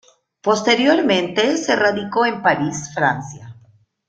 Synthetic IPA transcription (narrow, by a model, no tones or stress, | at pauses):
po̞st̪e̞ɾjo̞ɾmẽ̞nt̪e̞se̞raðiko̞empaɾisfɾansja